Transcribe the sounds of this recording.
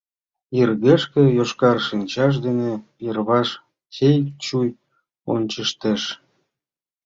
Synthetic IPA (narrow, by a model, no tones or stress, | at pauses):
irɣeʃkĕjoʃkɑrʃinʲt͡ɕɑʃ̬d̪ene | irβɑʃ | kʲejkt͡ɕuj | o̰nʲt͡ɕəʃt̪eʃ